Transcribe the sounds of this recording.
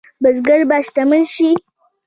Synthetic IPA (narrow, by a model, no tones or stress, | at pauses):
bɐs̬ɡɐɾbaʃtɐmɐnʃi